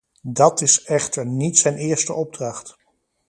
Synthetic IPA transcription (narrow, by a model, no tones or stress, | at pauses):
dɑtɪsɛχtəɹnitsɛjnɪːɹstəʔɔb̚drɑχt